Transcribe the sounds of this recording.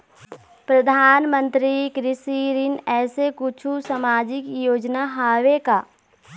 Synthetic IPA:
pɾɐd̪ʱaːnmə̃nt̪ɾikɾɪsiːɾɪnɛːsekʊt͡ʃʰusamaːd͡ʒɪkjoːd͡ʒnaɦaːʋekaː

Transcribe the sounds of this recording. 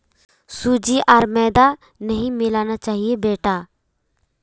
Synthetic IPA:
sud͡ʒiːʔɐɾmɛːd̪a | nəɦĩmɪlaːnat͡ʃaːɦiebeːʈaː

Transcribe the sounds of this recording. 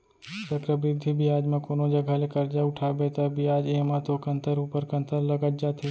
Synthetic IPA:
səkɾəbɾɪd̪ʱːibʱiaːd͡ʒmẽkoːnod͡ʒɐɡʱalekɐɾd͡ʒaʊʈʰaːbet̪əbʱiaːd͡ʒeːmãt̪okə̃nt̪əɾuːpəɾkə̃nt̪ʰəɾləɡət̪̚d͡ʒaːt̪e

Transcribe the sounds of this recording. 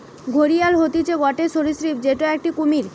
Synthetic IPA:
ɡʱoɾialɦot̪it͡ɕʰeɡɔʈeʃoɾisɾip̚d͡ʑeʈoɛk̚ʈikumiɾ

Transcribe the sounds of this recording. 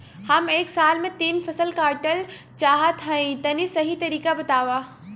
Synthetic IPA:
hɐmeːksaːlmẽt̪iːnfɐsəlkaːɾʈəl | t͡ʃaːɦat̪ʰɐĩt̪ɐnĩsɐɦit̪ɐɾiːkabɐt̪aːʋaː

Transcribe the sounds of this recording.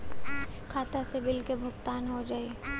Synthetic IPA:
kʰaːt̪asebɪlkebʱʊkt̪aːnɦod͡ʒaːeː

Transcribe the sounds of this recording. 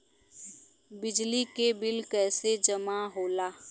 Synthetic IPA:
bɪd͡ʒlikebɪlkɛːsed͡ʒəmaɦoːlaː

